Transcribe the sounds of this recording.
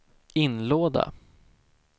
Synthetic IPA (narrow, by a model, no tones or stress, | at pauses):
ɪnloːd̪a̰